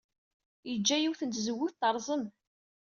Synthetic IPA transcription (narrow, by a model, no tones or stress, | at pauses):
jəd͡ʒːæjiwθənt̪zəwːuθt̪əɾˤzˤəm